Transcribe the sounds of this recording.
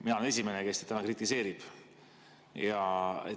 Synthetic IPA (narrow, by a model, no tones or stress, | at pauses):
minɑoene̞s̬ʲime̞nekest̪e̥t̪ːæmɑkrit̪ːˑise̞ːɾib̥ | jɑḛ